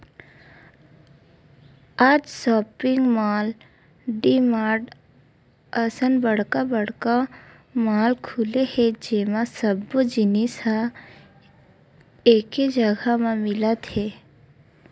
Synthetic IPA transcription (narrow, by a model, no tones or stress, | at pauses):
aːd͡ʒsɔːpɪŋɡmaːl | ɖimaːɖ | əsənbəɽ̤kabəɽ̤ka | maːlkʰulehed͡ʒeːmãsəbːod͡ʒɪnisa | eːked͡ʒəɡʱamãmɪlət̪ɦe